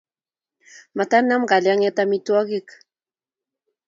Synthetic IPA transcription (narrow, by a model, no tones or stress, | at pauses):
mat̪anːamɡaljaŋet̪amit̪uaɡik